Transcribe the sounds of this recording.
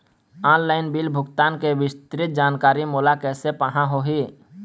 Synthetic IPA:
aːnlaːɪnbɪlbʱʊɡt̪aːnkeʋɪst̪ɾɪt̪̚d͡ʒaːnkaːɾimoːlakɛːsepəɦãɦoɦiː

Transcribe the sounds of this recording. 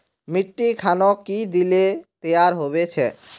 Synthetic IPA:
miʈːikʰanokid̪ilet̪eaɾɦobet͡ɕʰḛ

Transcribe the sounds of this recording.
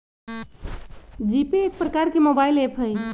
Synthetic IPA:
d͡ʒipeːk̚pɾəkaɾkemobailepʰəj

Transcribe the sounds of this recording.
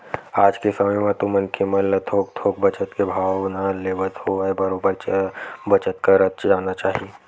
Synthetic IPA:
aːd͡ʒkesɐməjmãt̪ʊmənkʰeməlɐt̪ʰɦoːk̚t̪ʰoːk̚bɐt͡ʃət̪kebʱaːʋnaleːʋət̪ɦoebɐɾoːbəɾbɐt͡ʃət̪kaɾət̪̚t͡ʃd͡ʒaːnat͡ʃaːɦie

